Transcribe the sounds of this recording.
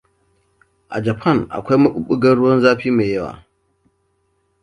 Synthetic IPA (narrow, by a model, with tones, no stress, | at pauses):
ʔa̰˨d͡ʒa˨pʰa˦˨nʔa̰˨kʷa˦jmɐ˦ɓʊ̰˦ɓu˦ɡɐ˦ɽʊ˦wɐ˦nzaː˦ɸiː˦ma˨jɐ˦wa̰ː˨